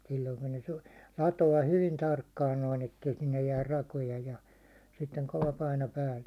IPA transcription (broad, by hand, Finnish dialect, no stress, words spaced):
silːoiŋ kun ne su lɑtoɑ hyʋin tɑrkːɑːn noin etːei sinːej jæːr rɑkojɑ jɑ sitːeŋ koʋɑ pɑino pæːlːe